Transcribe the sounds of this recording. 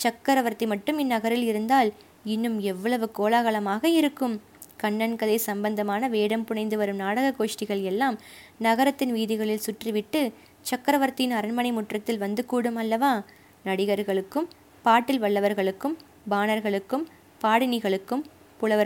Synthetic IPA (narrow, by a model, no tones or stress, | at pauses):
t͡ʃɐkːɐɾɐʋɐɾt̪ːimɐʈːɯmɪnːɐɣɐɾɪlɪɾɯnd̪aːl | ɪnːɯmɛʋːɐɭɐʋɯkoːlaːɣɐɭɐmaːɣɐɪɾɯkːɯm | kɐɳːɐnkɐðɐɪsɐmbɐnd̪ɐmaːnɐʋeːɽɐmpʊɳɐɪnd̪ɯʋɐɾɯmnaːɽɐɣɐkːoːʂʈɪɣɐɭɛlːaːm | nɐɣɐɾɐt̪ːɪnʋiːðɪɣɐɭɪlsʊʈriʋɪʈːɯ | t͡ʃɐkːɐɾɐʋɐɾt̪ɪnɐɾɐnmɐnɐɪmʊʈrɐt̪ːɪlʋɐnd̪ɯkuːɽɯmɐlːɐʋaː | nɐɽɪɣɐɾɣɐɭɯkːɯm | paːʈːɪlʋɐɭːɐʋɐɾɣɐɭɯkːɯm | baːnɐɾɣɐɭɯkːɯm | paːɽɪnɪɣɐɭɯkːɯm | pʊɭɐʋɐ